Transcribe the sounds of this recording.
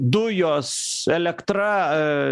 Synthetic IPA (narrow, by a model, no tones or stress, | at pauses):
d̪ʊjoːsɛlʲɛkt̪ɾɐ